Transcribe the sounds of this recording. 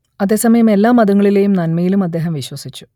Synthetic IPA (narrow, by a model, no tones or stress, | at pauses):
ɐðe̞ːsɐmɐjɐme̞lːaːmɐðuŋːɐɭile̞jumnɐnmɐjilumɐd̪ːe̞ːɦɐmʋiɕwɐsit͡ɕːu̥